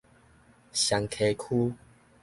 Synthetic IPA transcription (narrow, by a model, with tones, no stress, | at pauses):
ɕa˨˧ŋkʰe˧kʰu˦